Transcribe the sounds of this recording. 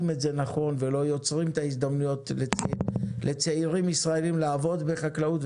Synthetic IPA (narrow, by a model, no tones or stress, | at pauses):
metze̞naχo̞nve̞lo̞jo̞t͡sʁimt̪ais̬d̪amnujo̞t̪ | lʔet͡seiʁimisʁae̞limlaːvo̞d̪beχaklaut